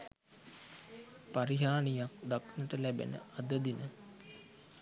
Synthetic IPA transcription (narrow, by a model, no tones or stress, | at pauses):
paɾiɦaːnijak̚d̪aknəʈəlæbḛnə̰ʔad̪əd̪inə